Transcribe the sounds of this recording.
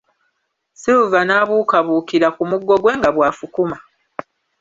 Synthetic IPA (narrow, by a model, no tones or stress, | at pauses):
siuvanaːβuːkaβuːkiɾakumuɡːo̞ɡwe̞ːŋɡaβwaːfukuma